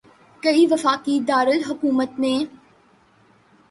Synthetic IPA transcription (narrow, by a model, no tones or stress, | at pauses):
kɐɦiʋɐfaːkid̪aːɾəlɦʊkuːmət̪mẽː